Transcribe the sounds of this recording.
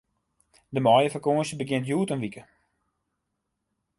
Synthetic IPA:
dəmɔjəfərkoːsəbəɡɪntjuːtənʋikə

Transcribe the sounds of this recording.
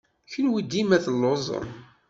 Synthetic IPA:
çənwid̪imæθəlːozˤə̰n

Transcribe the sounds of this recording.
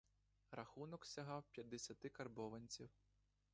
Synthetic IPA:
rɐxunɔksʲɐɦɑwpʲjɐd̪ːesʲɐt̪ɪkɐrbɔʋɐnʲt͡sʲiw

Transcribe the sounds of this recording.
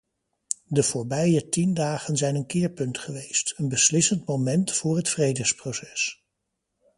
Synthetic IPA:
dəv̥ʊːɹbɛjətindaːχənzɛjnənkɪːɹpɵntχəʋejstənbəslɪsəntmowmɛntfʊːɹɦətfrejdəsprowsɛ̥s

